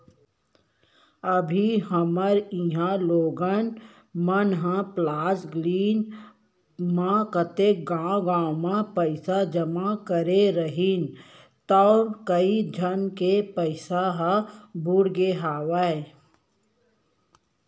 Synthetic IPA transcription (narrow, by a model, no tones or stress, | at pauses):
əbʱiɦəməɾĩɦãloːɡən | mənɦãplaːsɡliːn | mãkət̪ek̚ɡãːɡãːwmãpəɪsad͡ʒəmakəɾeɾəɦin | t̪ɔːkəid͡ʒʱənkepəɪsaɦãbʊɽɡeɦaːʋae